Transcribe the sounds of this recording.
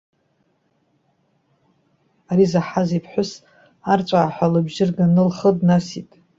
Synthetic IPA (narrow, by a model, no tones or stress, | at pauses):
aɾizaħazipʰħʷʊs | art͡sʷʼaːħʷalɨbʒɪrɡanɨlχədnasitʼ